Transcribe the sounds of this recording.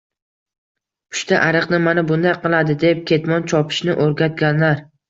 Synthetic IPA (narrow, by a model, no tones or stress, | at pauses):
pʰʊ̥ʃt̪ʰaʔaɾɨqnɪmanabʊnd̪ajqɨlˠad̪ɪd̪e̞p̚kʲʰe̞t̪mɒnt͡ʃʰɒpʰɪ̥ʃnɪʔoɾɡʲat̪̚ɡʲanlaɾ